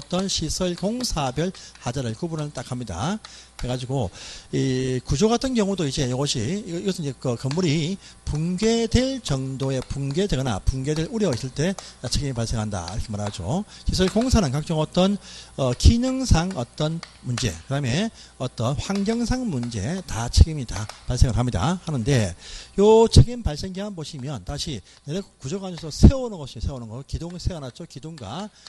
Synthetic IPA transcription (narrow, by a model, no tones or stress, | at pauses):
ʌt͈ʌnɕʰisʰʌɭkoŋsʰabjʌɭhad͡ʑaɾɯɭkubunɯɭt͈akʰamɲida̰ | eɡad͡ʑiɡoikud͡ʑoɡatʰɯnkjʌŋudoid͡ʑe̞joɡʌɕʰiiɡʌsʰɯnid͡ʑekɯkɯmːuɾipuŋɡe̞dwe̞ɭt͡ɕʌŋdoe̞puŋɡe̞dwe̞ɡʌna̰puŋɡe̞dwe̞ɾuɾjʌis͈ʰɯɭt͈e̞at͡ɕʰeɡimipaɭs͈eŋɦanda̰iɾʌkʰemaɾaad͡ʑo̰kes̬ʰɯɭkoŋsʰanɯnkak̚t͡ɕ͈ʌŋʌt͈ʌnʌkinɯŋsʰaŋʌt͈ʌn | mund͡ʑe̞̰kɯdame̞ʌt͈ʌnɸwaŋɡjʌŋsʰaŋmund͡ʑe̞tat͡ɕʰeɡimitapaɭs͈eŋɯɾɦamɲida̰hanɯnde̞jot͡ɕʰeɡimpaɭs͈e̞ŋdeɦanboɕʰimjʌntaɕʰi | neɾekud͡ʑʌɡad͡ʑʰʌsʰʌsʰeonɯnɡʌɕʰimsʰeonɯnɡʌokidoŋsʰeanat̚t͡ɕ͈okidoŋɡwa